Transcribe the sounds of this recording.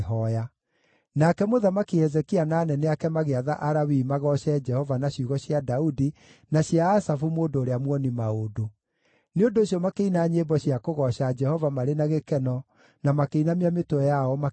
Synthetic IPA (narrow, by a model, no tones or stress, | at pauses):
ɦɔja | nakɛmoðamakihɛzɛkianaːnɛnɛakɛmaɣeaðaʔaɾawimaɣɔɕɛd͡ʒɛhɔvanaɕuɣɔɕjadaudi | naɕiaːsafumoːndoːɾeamwɔnimaodo | neondoːɕjɔmakeinaɲebɔɕiakoɣɔɕad͡ʒɛhɔvamaɾenaɣekɛnɔ | namakeinamiametoɛjaɔma